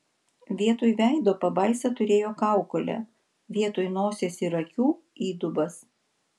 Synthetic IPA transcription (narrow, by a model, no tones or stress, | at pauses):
ʋʲiɛt̪oːjʋʲæˑɪd̪oːpɐbɐɪsɐt̪ʊɾʲeːjoːkɑˑʊkolʲɛ̰ | ʋʲiɛt̪oːjnoːsʲeːsʲiɾɐkʲuː | iːd̪ʊbɐs